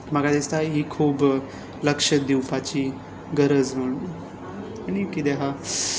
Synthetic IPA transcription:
maɡad̪est̪ajɦiːkʰuːb | ləkʂəd̪iwpat͡ɕiː | ɡəɾəd͡zm̤əɽnu | aɽ̃ikid̪eɦa

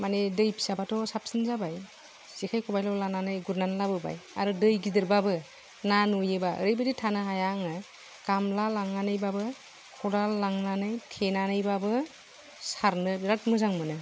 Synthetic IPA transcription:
manedɯjpʰi̥sabatɔsap̚sɯnzabaj | z̥ikʰajkʰɔbajlɔlananɯjɡuɾnanlabɯba̰ja̰ɾɯdɯjɡidɯɾbabɯ | nanujɯbaɯ̰ɾɯjbɯditʰanɯɦajaŋɯ | ɡ̥amlalaŋnanɯjbabɯ | kʰɔɾalːaŋnanɯjtʰenanɯjbabɯ | saɾnɯɾat̚mɯzaŋmɯnɯ

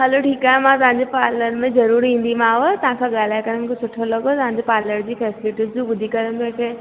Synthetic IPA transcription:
ɦɐloʈʰiːkaːɦemãt̪ɐʋ̤ãɲd͡ʑepaːɾləɾmẽzɐɾuːɾĩːn̆d̪imãːʋət̪ɐɦãkʰãɠaːl̤aːɪkɐɾm̃kʰesʊʈʰolɐɡot̪ɐʋ̤ãɲd͡ʑepaːɾləɾd͡ʑiːfɛːsɪlɪʈizd͡ʑũːbʊd̪ʱikɐɾəmẽkʰeː

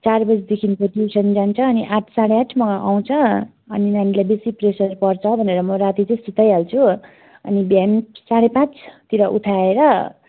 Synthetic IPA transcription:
t͡sarbʌd͡zd̪ekʰinkoʈusʌnd͡zant͡sʰʌːniʔaʈʰsaɽeaʈʰmʌɡaʔa̰w̃t͡sʰʌ | ʌninanilajbesipresʌrpʌrt͡sʰʌbʱʌneɾʌmʌɾat̪it͡sʌĩsut̪ʌjalt͡sʰu | ʌ̰nibamsaɽepãt͡sʰt̪iɾʌʔṵʈ̪ʰaeɾʌ

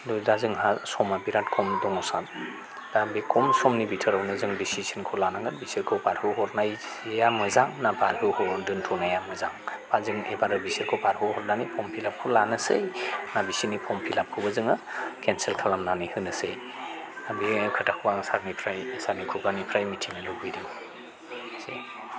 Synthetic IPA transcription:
dɔdazɯŋɦasɔmabiɾatkʰɔmdɔŋɔsan | dabikʰɔmsɔmnibitʰɯɾawnɯzɯŋdisisɯnkʰɔlanaŋɡɯɾbisiɾkʰɯwpaɾhɯɦɔɾnaj | jamɯzaŋnabaɾhɯhɔdɯntʰɔnajamɯzaŋpʰazɯŋebaɾɯbisiɾkʰowpaɾhɯwhɔɾnanipʰɔmpʰilap̚kʰolanɯsɯjnabisinipʰɔmpʰilap̚kʰɯwbɐzɯŋɯkʰenselkʰalamnanihɯnɯsɯj | abikʰɯtakʰbaŋsaɾnipʰɾajsaɾnikʰubanipʰɾajmitʰiŋnɯloɡɯjdɯŋ | sḛ

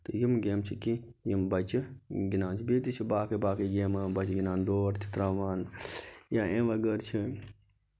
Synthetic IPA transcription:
t̪ojimɡeːmt͡ʃʰiki | jimbɐt͡ʃʰiɡinaːnt͡ʃʰibiːt̪it͡ʃʰibaːkɨbaːkɨɡeːmbɐt͡ʃɡinaːnd̪oːɾt͡ʃʰi̥t̪ɾaːʋaːnjaːẽːʋɐɡəɾt͡ʃʰi

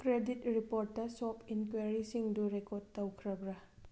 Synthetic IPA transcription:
kɾeditɾipoɾtːɐsopʰinkweɾisiŋduɾekod̚tɐwkʰɾɐbɾa

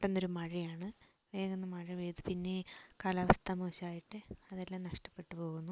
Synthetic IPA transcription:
ʈːonːo̞ɾumɐɻijaːɳɨ | ʋeːɣonːɐmɐɻiʋeːt̪ɨpinːe̞kɐlɐʋɐst̪ʰɐmoɕaːjiʈːɨɐðelːaːmnɐʂʈɐpːe̞ʈːɨpo̞ːɣunːu

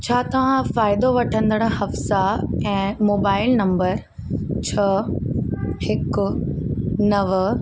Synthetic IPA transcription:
t͡ɕʰaːt̪ɐʋ̤ãfaːɪd̪oʋɐʈʰə̃nd̪əɽ̃̆ɦɐfsaɛ̃ːmoːbaːɪlnɐ̃mbəɾ | t͡ɕʰɐ | hɪkʊ | nɐʋ

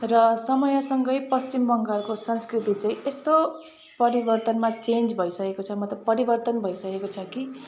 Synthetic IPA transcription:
rʌsʌmʌjasʌŋɡʌjpʌst͡ɕimbʌŋɡalkosʌnskrit̪it͡saĩest̪o | pʌɾibʌrt̪ʌnmat͡send͡zbʱʌjsʌkekot͡sʰʌmʌt̪ːʌpʌɾibʌrt̪ʌnbʱʌjsʌkekot͡sʰʌki

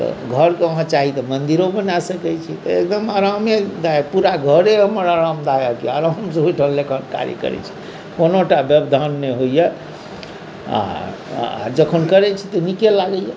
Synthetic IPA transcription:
t̪ɔ̰ɡʱəɾkeəɦãt͡ʃaɦit̪ɔmənd̪iɾobənasəkɛt͡ʃʰit̪ɔek̚d̪əmaɾamjed̪ajapuɾaɡʱəɾeɦəməɾaɾamd̪ajakiaɾamsəuʈʰəlːekənka̰ɾjḭkə̰ɾɛ̰t͡ʃʰi̥ | konoʈabjəbd̪ʱanːeɦojɛ | a̰ | a̰d͡ʒəkʰənkəɾɛt͡ʃʰit̪ɔnikelaɡəjɛ

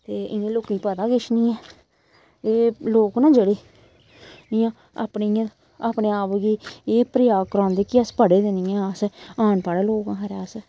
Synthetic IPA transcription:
t̪eːʔɪnẽːloːkiːpəd̪aːɡɪʃnĩːɛː | eːloːknãːd͡ʒeːɽeː | ɪãː | a̰ːpniːãː | aːpneːaːpɡiːeːpɾɪjaːɡkəɾãːnd̪eːkɪəspəɽeːd̪eniːɛ̃ːəsaːnpaːɽeːloːkãːɦəɾaːs

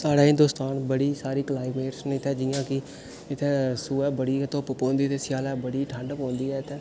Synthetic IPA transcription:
saːɽaːɦɪ̃nd̪oːst̪aːnbəɽiːsaːɾiːklaːimeːʈsnɪt̪ʰɛːd͡ʒɪːãːkɪ | ɪt̪ʰɛ̃ːsuːɛːbəɽiːt̪opəpõːnd̪iːt̪eːsɪjaːlɛːbəɽiːʈʰəɳɖpõːnd̪iːɛːt̪ʰːɛː

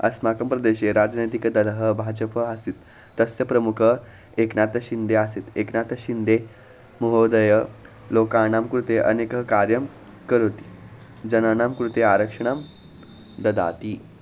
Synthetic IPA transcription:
ə̰smakəmpɾəd̪eɕeɾad͡znəjt̪ikəd̪əd̪əɦəbʱad͡ʑəpəasiːt̪ː | əsjəpɾəmukʰə | eknat̪əɕind̪easet̪eknat̪əɕind̪e | muɦod̪əjə | lokanamkɾut̪eʔə̰nekəɦəkaɾjəm | kəɾot̪i̥ | d͡ʑənanamkɾut̪eaɾəkʂəɳ̃am | d̪əd̪a̰t̪i

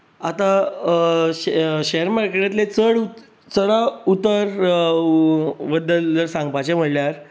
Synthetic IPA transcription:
at̪a | ɕeɦəɾmaɾkeʈet̪let͡səɽu | t͡səɽaut̪əɾ | ʋəd̪əlːəɾsãŋɡpat͡ɕem̤əɽljaɾ

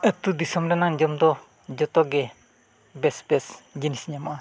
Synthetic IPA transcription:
ət̪ud̪isɔmɾɛnaŋd͡ʒɔmd̪ɔ | d͡ʒɔt̪ɔɡɛ | bɛsbɛsd͡ʒinisiɲamaa

